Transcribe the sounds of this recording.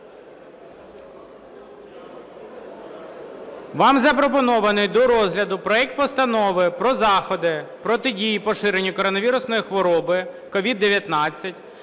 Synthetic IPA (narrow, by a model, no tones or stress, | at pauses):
ʋɑmzɐpɾɔp̬ɔnɔʋɐnɪjd̪ɔɾɔzɦlʲɐd̪ʊpɾɔɛk̚t̪̚pɔst̪ɐnɔʋɪpɾɔzɑxɔd̪ɪpɾɔt̪ɪdʲijipɔʃɪɾenʲːɐkɔɾɔnɐʋʲiɾʊsnɔjixʋɔɾɔbɪ | kɔʋʲid̪ːeʋʲjɐt̪nɑt͡sʲːɐtʲ